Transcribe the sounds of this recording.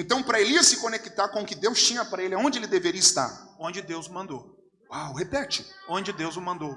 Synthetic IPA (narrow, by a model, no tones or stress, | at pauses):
ẽnt̪ɐ̃w̃pɾɐeliɐsɪkonekit̪aɾkõʊkɪd̪ewst͡ʃĩɲɐpaɾɐelɪaõnd͡ʒɪelɪd̪eveɾiɐist̪a̰ɾõnd͡ʒɪd̪ewzʊmɐ̃nd̪ow | wawhepɛt͡ʃɪõd͡ʒɪd̪ewzʊmɐ̃nd̪ow